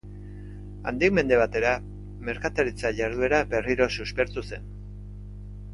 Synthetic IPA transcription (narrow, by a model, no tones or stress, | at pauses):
a̰nd̪ikme̞nd̪e̞β̞at̪e̞ɾa | me̞ɾkat̪aɾit͡saʝaɾðue̞ɾabe̞riɾo̞suspe̞ɾt̪use̞n